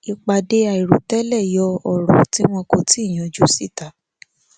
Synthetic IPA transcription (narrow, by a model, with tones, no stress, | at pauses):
i˧k͡pa˧de˧˦a˨i˨ɾu˨tɛ˦lɛ˦˨jɔ˧˦ɔ˦˨ɾu˨˦ti˦w̃ɔ̃˧ko˧ti˦i˦˨j̃ã˨d͡ʒu˦si˦˨ta˨˦